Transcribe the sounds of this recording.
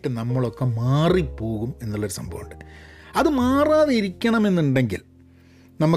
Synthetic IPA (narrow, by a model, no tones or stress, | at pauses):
ʈːɨnɐmːɐɭokːemaːripːo̞ːɣume̞nːuɭːɐoɾusɐ̰mbʱɐ̰ʋṵɳɖɨɐðɨmaːraːðeiɾikʲːɐɳɐme̞nːuɳɖe̞ŋɡḭl | nɐmːɐ